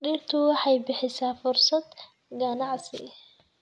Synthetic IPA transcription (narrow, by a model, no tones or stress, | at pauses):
ɗiːrt̪ʰʊwɑħɑjbɪħɪsaːfʊrsɐd̪ | ɡɐnɑʕsɪ̰